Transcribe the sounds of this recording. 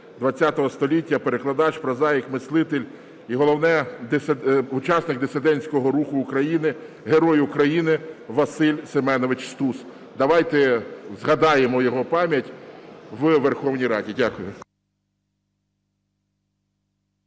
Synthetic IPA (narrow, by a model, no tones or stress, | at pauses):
d̪ʋɐt͡sʲːat̪ɔɦɔst̪ɔlʲitʲːɐpeɾeklˠɐd̪ɑt͡ʃpɾɐzɑjikmɪslˠɪt̪elʲ | iɦɔlˠɔwnɛ | ut͡ʃɑsnɪk̚d̪ɪsɪd̪ɛnʲsʲkɔɦɔɾuxʊːkɾɐjinɪ | ɦeɾɔjʊkɾɐjinɪʋɐsɪlʲsemɛnɔʋɪt͡ʃst̪us | d̪ɐʋɑjt̪ɛzɦɐd̪ɑjemɔjɔɦɔpɑmʲjɐtʲʋʋerxɔwnʲijɾɑdʲidʲakʊjʊ